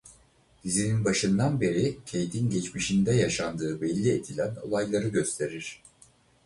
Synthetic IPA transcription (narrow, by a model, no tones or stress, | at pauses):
d̪̥izininbaʃɯnd̪anbe̞ɾicʰe̞jt̪ʰinɟɛt͡ʃmiʃind̪ɛjaʃand̪ɯːbɛlʲːied̪ilʲæno̞̰lˠajlˠaɾɯɟø̞st̪ʰe̞ɾiɾ̥